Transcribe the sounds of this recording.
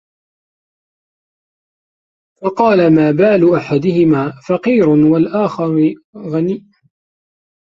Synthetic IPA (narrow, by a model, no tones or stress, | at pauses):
fɑqɑːlamaːbaːluːʔaħad̪ɪhɪmaːfɑqiːɾʊwalʔaːxɑɾɣaniːʔ